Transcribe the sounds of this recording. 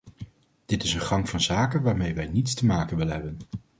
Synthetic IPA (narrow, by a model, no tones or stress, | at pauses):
d̥ɪtɪsənχɑŋvɑnzaːkənʋaːɹmejʋɛjnitstəmaːkənʋɪləɦɛbən